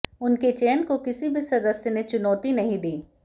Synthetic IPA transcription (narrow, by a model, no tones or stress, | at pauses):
ʊnket͡ʃeːnkokɪsibʱisɐd̪əsjnet͡ʃʊnɔːt̪inɐɦĩd̪iː